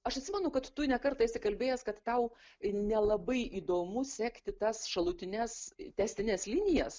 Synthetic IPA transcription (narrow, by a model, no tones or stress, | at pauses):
ɐʃɐt̪sʲɪmʲɛnʊkɐt̪ːʊnʲɛkɐrt̪ɐɪsʲɪkɐlʲbʲeːjɛskɐt̪ːɐʊnʲɛlˠɐbɐɪʔiːd̪oːmʊsʲæːkt̪ʲɪt̪ɐsʃɐlˠʊt̪ʲɪnʲɛst̪ʲɛsʲt̪ʲɪnʲɛslʲɪnʲɪjɛs